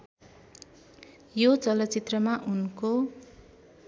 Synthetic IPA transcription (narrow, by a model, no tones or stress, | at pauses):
jot͡sʌlʌt͡sit̪rʌmaʔunko